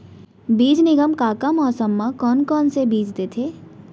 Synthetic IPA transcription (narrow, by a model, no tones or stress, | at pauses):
biːd͡ʒnɪɡəmkakəmɔːɾsɐmːakɔːnkɔːnsebiːd͡ʒd̪eːt̪ʰeː